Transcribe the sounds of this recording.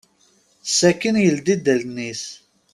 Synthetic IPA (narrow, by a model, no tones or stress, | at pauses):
sːækːənjəld̪id̪ælnːis